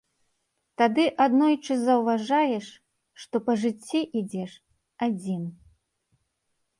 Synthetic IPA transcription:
t̪ad̪ɨʔad̪nɔjt͡ʂɨzɐwvaʐajɛʂ | ʂt̪ɔpɐʐɨt͡sʲːiʔid͡zʲɛʂ | ad͡zʲin

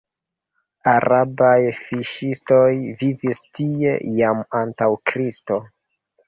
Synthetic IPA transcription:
aɾabajfiʃisto̞jvivistie̞̰jamantawkɾisto̞

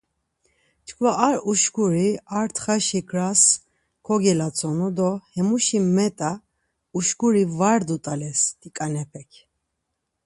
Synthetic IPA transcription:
t͡ʃkʰvaʔaɾuʃkuɾiaɾt̪ʰχaʃikʰɾas | kʰɔɡɛlat͡sʼɔnud̪ɔhɛmuʃimɛt̪ʼa | uʃkuɾivaɾd̪ut̪ʼalɛst̪ikʼanɛpʰɛkʰ

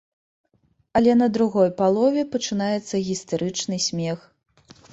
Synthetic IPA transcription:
ɐlʲɛnɐd̪ɾuɣɔjpalˠɔvʲɛpɐt͡ʂɨnajɛt̪sːɐɣʲist̪aɾʔɨt͡ʂnɨsʲmʲɛx

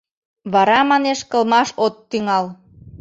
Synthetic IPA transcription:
βɑɾɑmɑneʃkə̆lmɑʃot̪ːyŋɑl

